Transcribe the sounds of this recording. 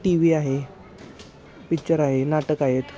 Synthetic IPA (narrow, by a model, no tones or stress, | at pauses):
ʈiʋiːaɦe | pit͡ɕəɾaɦenaʈəkaɦet̪